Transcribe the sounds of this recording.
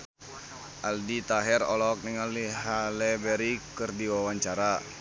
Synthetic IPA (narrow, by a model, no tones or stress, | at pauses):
ʔaldit̪aɦɛrɔlɔk̚nɛŋaliɦalɛbɛɾikɨrdiwawaɲt͡ʃaɾa